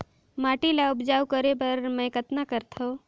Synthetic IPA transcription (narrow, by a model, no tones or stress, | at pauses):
maːʈilaʊpd͡ʒaːwkəɾebəɾmɛ̃ːkət̪nakəɾt̪ʰo